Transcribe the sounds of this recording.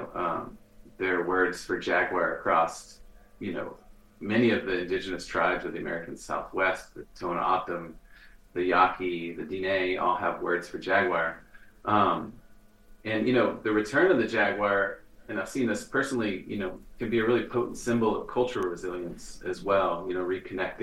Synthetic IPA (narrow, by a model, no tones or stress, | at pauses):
ʊʔʌ̰̃m | ðə˞wɜ˞dz̥fə˞d͡ʒæɡwɑɹɨkʰɹ̥ɔs | jɨno̰ʊ | mɛniʌvðiɨ̃ndɪd͡ʒɨnɨstʰɹ̥a̰ɪbzʌvðiɨmɛ̰ɹɨkn̩sa̰ʊθwɛst̚ðɨtʰõʊ̃n̰ɑtə̃mðɨjɑkʰiðɨdineɪʔɔ̰lˠəvwɜ̰˞dz̥fə˞d͡ʒæɡwɑɹʔʌ̃m | ɨ̃njɨnoʊðɨɹɨtʰɜ̃˞nɨ̃nðɨd͡ʒæɡwɑɹ | ɨ̃naɪv̥sĩnðɪspʰɜ˞sn̩l̩ˠijɨ̰noʊkʰɨ̃nbiɨɹɪlˠipʰoʊʔn̩tsɪ̃mbl̩ˠʌv̥kʰʌlˠt͡ʃə˞ɹɨzɪlˠjɨ̃nsɨzwɛlˠjɨñoʊɹikʰɨnɛk̚t